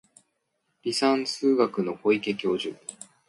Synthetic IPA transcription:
ɾʲisãñsɨːɡakɯ̟no̞ko̞ike̞kʲo̞ːʑɨ̰

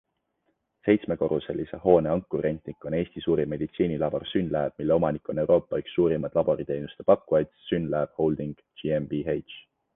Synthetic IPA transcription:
se̞jt̪sme̞ko̞ɾuselːiseho̞ːne̞ɑŋkːˑuɾe̞nt̪nikːˑo̞ne̞ːsʲt̪isuːɾimːe̞d̪̥it̪siːnilɑb̥orsynlæːb̥̚milːe̞o̞mɑnikːˑo̞ne̞wɾo̞ːpːˑɑyksːuːɾimɑd̪̥lɑb̥o̞ɾit̪e̞jnust̪e̞pɑkːuɑjt̪synlæːb̥ho̞wld̪̥iŋɡ̥d͡ʒiembiejtt͡ʃ

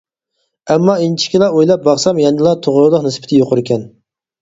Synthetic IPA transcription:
ɛmːɑint͡ʃʰi̥kʲilˠɑojlˠɑp̚bɑχsɑmjɛnɨlˠɑt̪ʰoʁʊɾlˠəqnɪspɪ̥t̪ʰɪjoqʰʊɾɪkʲʰɛn

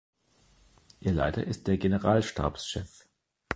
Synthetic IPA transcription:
ʔiːɐla̰ɪtɐ̰ʔɪst̚d̥eːɐɡenəʁaːlʃta̰ːpsʃɛf

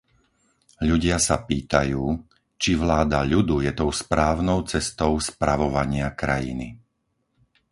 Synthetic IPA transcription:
ʎuɟɪasapiːt̪ajuː | t͡ʃiʋlaːd̪aʎud̪ujɛt̪ɔʊspɾaːʊnɔʊt͡sɛst̪ɔʊspɾaʋɔʋaɲɪakɾa̰jḭni

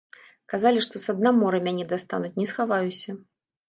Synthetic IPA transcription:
kazalʲiʂt̪ɔsɐd̪̚namɔɾɨmʲanʲɛd̪ast̪a̰nut͡sʲnʲɛsxavajusʲɐ

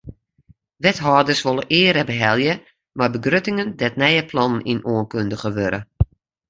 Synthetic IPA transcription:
ʋɛtɦɔːdərsʋolˠəʔɪəɾɛbəɦɛlˠjə | marbəɡrøtɪŋəndɛt̚nɛjəplɔnninoənkøndəɣəʋøɾə̰

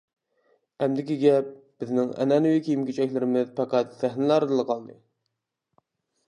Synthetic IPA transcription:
ɛmd̪ɪkʲiɡʲɛp̚b̥ɪznɪŋɛ̰nɛnuwikʲʰejimkʲʰyt͡ʃɛkʲlɪɾɪmɪzpɑqæt̪sæhnɪlæɾɨd̪ɨlˠɨqʰɑlˠd̪ɨ̰

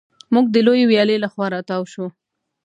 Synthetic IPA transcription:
muɡ̚d̪əlojewjɑlelaxwɑɾɑt̪ɑwʃu

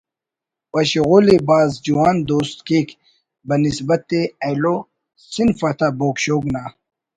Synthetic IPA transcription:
wɐɕɣuːlibaːzd͡ʑuwaːnd̪oːst̪keːkʰ | bɐnisbɐt̪eɐjlo | sinfɐt̪ʰaboːkɕoːɡnaː

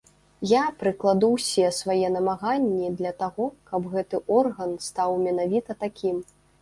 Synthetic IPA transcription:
japɾɨklˠad̪uwsʲɛsvajɛnɐmaɣanʲːid̪lʲɐt̪aɣɔkɐbɣɛt̪ɨʔɔrɣɐnst̪awmʲɛnavʲit̪ɐt̪akʲʰim

